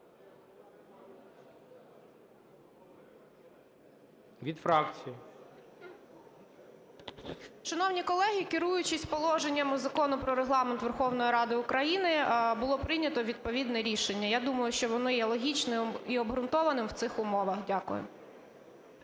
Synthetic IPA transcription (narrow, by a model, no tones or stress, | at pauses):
ʋʲid̪fɾɑkt͡sʲiji | ʃɐnɔwnʲikɔlˠɛɦʲikɪɾujʊt͡ʃɪsʲpɔlˠɔʒenʲːɐmʊzɐkɔnʊpɾɔɾeɦlˠɑment̪ʋerxɔwnɔjiɾɑd̪ɪʊkɾɐjinɪbʊlˠɔpɾɪnʲɐt̪ɔʋʲid̪̚pɔʋʲid̪nɛɾʲiʃenʲːɐjad̪umɐjʊʃt͡ʃɔʋɔnɔjɛlˠɔɦʲit͡ʃnɪiɔbɦɾʊnt̪ɔʋɐnɪmwt̪sɪxʊmɔʋɐxdʲakʊ̰jʊ̰